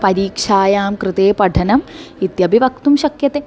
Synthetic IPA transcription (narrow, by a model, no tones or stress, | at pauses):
pɐɾiːkʂaːjaːmkɾɨt̪eːpɐɖʱɐnɐmit̪jɐbʱiʋɐk̚t̪umʃɐkjɐt̪eː